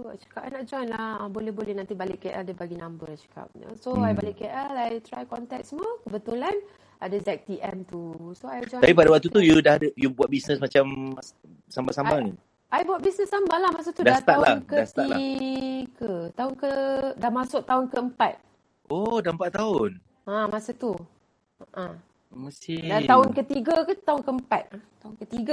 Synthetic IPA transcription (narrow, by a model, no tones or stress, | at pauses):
tua̰t͡ʃə̥kap̚a̰jnaʔd͡ʒɔjnlahəbolɛhbolɛhnant̪ibalɪʔkːeʔaldəbaɡinambəajt͡ʃə̥ka̰p̚nə̰soajbalɪʔkeʔɛlajt̪ɾajkɔnt̪ɛk̚səmɔkəbət̪ulan | adazɛk̚t̪iʔɛmt̪usoajd͡ʒɔj̪apipadawak̚t̪ut̪ujudahdəjubuwat̪̚bisnəsmat͡ʃam | sambasambanin | ʔajbuat̪̚bisnəsambalahmas̬at̪udaat̪aalankəast̪aia | kət̪aʊnkədahmasʊʔ̚t̪aʊnkəəmpat̪̚ | ʔodaəmpat̪̚ːaʊn | ãmasat̪u | aʔã | məst̪idat̪aʊnkət̪iɡakət̪aʊnkəəmpat̪̚at̪aʊnkət̪iɡa